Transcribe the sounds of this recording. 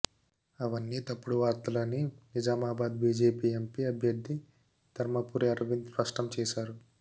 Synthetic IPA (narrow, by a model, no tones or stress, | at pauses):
ɐʋɐnːit̪ɐpːuɽuʋaːɾt̪ɐlɐnːinid͡ʒaːmaːbaːd̪biːd͡ʒeːpiːempiɐbʱjɐɾd̪ʱːi | d̪̥ʱɐɾmɐpuːɾeɐɾʋinspɐʂʈɐmt͡ʃɛːʃaːɾu